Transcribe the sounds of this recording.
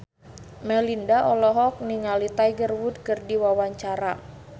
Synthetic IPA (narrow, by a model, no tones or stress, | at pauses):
mɛlindaʔɔlɔɦɔk̚niŋalit̪ajɡərwud̚kərdiwawaɲt͡ʃaɾa